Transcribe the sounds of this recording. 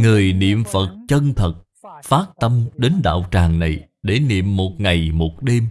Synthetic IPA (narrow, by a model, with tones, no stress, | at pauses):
ŋɨ˨˩əjnḭ˧˨əmfə˨˩t̚t͡ɕə˧nt̪ʰə˨˩t̚ | faː˦˥t̚t̪ə˧mɗe˨˦nɗa̰ː˧˨wt͡ɕaː˨˩ŋna˨˩j | ɗe˧˩nḭ˧˨əmːo˨˩t̚ŋa˨˩jmo˨˩t̚ɗe˧m